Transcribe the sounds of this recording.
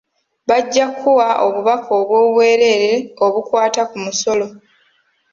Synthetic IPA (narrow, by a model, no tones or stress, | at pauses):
βaɟːakʰːuwaʔo̞̰βuβakʰoːβwo̞ːβwe̞ːɾe̞ɾeo̞βukwaːtakumuso̞lo̞